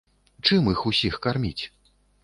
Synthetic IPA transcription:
t͡ʂɨmixusʲixkarmʲit͡sʲ

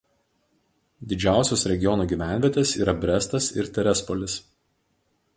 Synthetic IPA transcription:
d̪ʲɪd͡ʒʲæˑʊsʲosɾʲɛɡʲɪjɔnuːɡʲiːˑʋʲæˑnʲʋʲiɛt̪ʲɛsḭːɾɐbʲɾʲɛst̪ɐsɪ̰ɾt̪ʲɛɾʲɛspɔlʲɪs

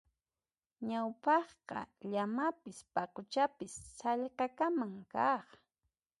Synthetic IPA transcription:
ɲawpɑχqɑ̰ʎamapɪspɑqʊt͡ʃapɪsːɑʎqɑkamaŋkɑχ

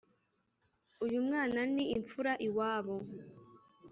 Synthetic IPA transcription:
ujumŋaːnaniːɱfuɾaʔiwaːβo

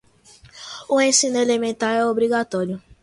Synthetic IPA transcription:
uẽsĩnʊelemẽnt̪aɾɛobɾiɡat̪ɔɾjʊ

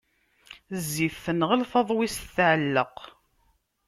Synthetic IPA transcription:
zːifːənʁəlfɑðˤwisθʕəlːəq

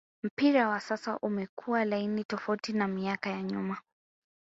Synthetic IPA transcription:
m̩piɾawasasaʔumɛkʰuwalainitɔfautinamiakajaɲuma

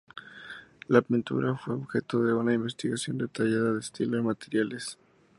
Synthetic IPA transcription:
laːpint̪ṵɾʔafwe̞oβxe̞t̪oðe̞unaimbe̞st̪iɣasjo̞nd̪e̞t̪aʝaðaðeːst̪ilomat̪eɾjales

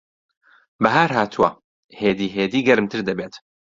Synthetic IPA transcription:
bɐɦaːɾɦaːt̪ʰuwɐ | heːd̪iːɦeːd̪iːɡɐɾmt̪ʰɨɾd̪ɐbeːt̪

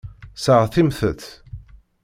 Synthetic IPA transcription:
səʁθimθəθ

